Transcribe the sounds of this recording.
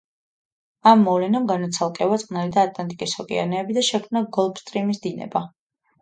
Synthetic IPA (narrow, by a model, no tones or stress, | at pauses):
amːɔlɛnamɡanɔt̪sʰalˠkʼɛvat̪sʼqʼnalid̪aːt̪ʼlˠant̪ʼikʼisɔkʼḭa̰ɾnɛːbid̪aʃɛkʰmnaɡɔlˠbst̪ʼɾimisd̪inɛ̰ba